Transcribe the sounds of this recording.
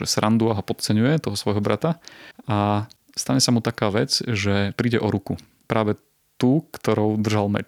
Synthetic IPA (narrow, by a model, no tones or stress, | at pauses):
ʒɛ̰sɾʔand̪uaɦɔpɔt̪t͡sɛɲujɛt̪ɔɦɔsʋɔjɦɔbɾa̰t̪aa | st̪aɲɛsamut̪akaːʋɛt͡sʒɛpɾiːɟɛʔɔɾuku | pɾaːʋɛ | t̪uːkt̪ɔɾɔʊd̪r̩ʒalmɛ̰t͡ʃ